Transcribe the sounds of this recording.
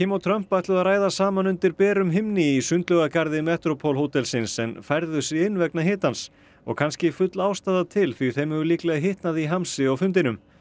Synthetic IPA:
cʰiːmɔt̪ʰɾœm̥pajht̪lʏðaðraːjðasaːmanʏnt̪ɪɾpɛːɾʏmɦɪmnɪisʏnt̪lœɣakaɾðɪmɛht̪ɾɔpʰɔlɦoːt̪ɛlsɪnsɛnfajɾðʏsɪɪnːvɛknaɦɪːt̪ans | ɔ̰ɣkʰanscɪfʏt̪laːwst̪aːðat̪ʰɪlθɥiθejmɛvʏliklɛɣaɦɪht̪naðiɦamsɪɔɣfʏnt̪ɪnʏm

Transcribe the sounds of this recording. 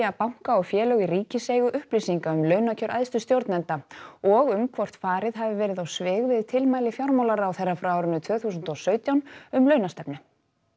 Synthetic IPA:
apawŋ̥kaɔɣfjɛːlœɣiɾiːcɪseːjɣʏʔʏhplisiŋkaʏmlœːɥnacʰœɾʔa̰jðst̪ʏst̪jowɾt̪nɛnt̪aɔɣʏmkʰvɔr̥t̪faːɾɪðɦavɪvɛːɾɪðawsvɪːɣvɪðt̪ʰɪlmaːjlɪfjawɾmawlaɾːwθejrːafɾaaːwɾɪnʏt̪ʰvœːθusʏnt̪ɔsœːɥt̪jawnʏmlœːɥnast̪ɛpnʏ

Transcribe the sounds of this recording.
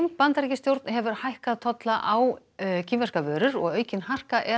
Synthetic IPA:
mpant̪aɾicɪst̪jowɾt̪nɦɛvʏɾ̥hajhkaðt̪ʰɔt̪laʔaw | cʰiːmvɛr̥kavœːɾʏɾɔ̰ɣœːɥcɪnhar̥kaʔɛ

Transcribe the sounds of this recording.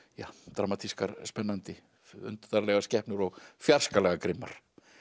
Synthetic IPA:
jaːt̪ɾamat̪ʰiskaɾspɛnːant̪ɪ | ʏ̰nt̪t̪aɾlɛɣascɛhpnʏɾɔɣfjar̥skalɛɣakɾɪmːa̰ɾ̥

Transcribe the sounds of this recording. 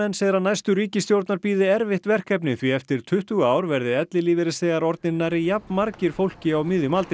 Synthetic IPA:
ɛnseðɾanajst̪ʏɾiːcɪst̪jowɾt̪naɾpiːðɪɛɾvɪht̪vɛr̥kɛp̬nɪθviɛft̪ɪɾ̥t̪ʰʏht̪uɣaːwɾvɛɾðɪɛt̪lɪliːvɪɾɪseːɣaɾɔɾt̪nɪnːaɾɪjappnmaɾcɪɾ̥fowl̥cɪawmɪðʏmalt̪

